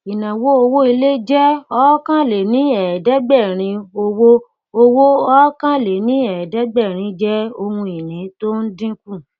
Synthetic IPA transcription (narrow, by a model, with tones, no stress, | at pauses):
i˨nã˨wo˦o˧wo˦i˧le˦d͡ʒɛ˦ɔ˦kã˦le˨nĩ˨˦ɛ˨dɛ˦ɡ͡bɛ˦˨ɾ̃ĩ˧o˧wo˦ | o˧wo˦ɔ˦kã˦le˨nĩ˦ɛ˨dɛ˦ɡ͡bɛ˦˨ɾ̃ĩ˧˦d͡ʒɛ˦o˧hũ˧i˨nĩ˨˦to˦n̩˦dĩ˦kũ˦˨